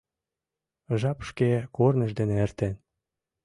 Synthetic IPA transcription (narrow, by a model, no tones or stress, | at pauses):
ʒɑpʃkekornə̆ʒd̪eneĕrt̪en